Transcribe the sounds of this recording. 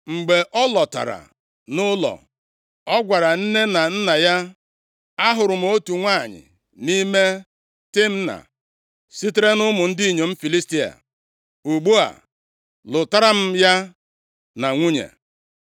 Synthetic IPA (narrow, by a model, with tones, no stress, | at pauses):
ŋ͡m̩˨ɡ͡be˨ʔɔ˦lɔ˨ta̰˨ɾa̰˨ | nʊ˦lɔ̰˨ | ɔ˦ɡʷa˨ɾa˨n̩˦ne˦na˨n̩˦na˨ja˦ | a˦ɦʊ˨ɾʊ˨m̩˨o˦tu˨ŋʷa˦˨ɲɪ̰˨ | ni˦me˦ | tɪ˦m̩˦na̰˨ | si˦te˦ɾe˦nʊ˦mʊ˨n̩˦di˦i˨ɲe˨m̩˦fi˨li˦sti˦a̰˨ | u˨ɡ͡bu˦a̰˨ | lʊ˨ta˦ɾa˦m̩˦ja˦ | na˨ŋʷu˦ɲḛ˨